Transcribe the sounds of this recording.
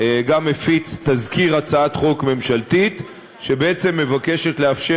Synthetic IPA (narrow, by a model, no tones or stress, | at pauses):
ɡamːefit͡st̪azkiʁat͡saat̪χo̞kme̞mʃalt̪it̪ | ʃe̞beet͡se̞mːe̞vake̞ʃe̞tleafʃe